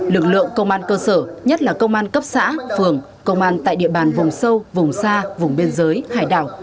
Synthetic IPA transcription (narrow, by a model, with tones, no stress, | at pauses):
lɨ˨˩k̚lɨ̰˧˨əŋkə˧wŋ͡mʔaː˧nkəː˧səː˧˩ɲə˦˥t̚laː˨˩kə˧wŋ͡mʔaː˧nkə˦˥p̚sa̰ː˧˥fɨ˨˩əŋ | kə˧wŋ͡mʔaː˧nt̪a̰ː˧˨jɗḭ˧˨əɓaː˨˩nvʊ˨˩ŋ͡msə˧wvʊ˨˩ŋ͡msaː˧vʊ˨˩ŋ͡mɓe˧nzəː˨˦jha̰ː˧˩jɗa̰ː˧˩w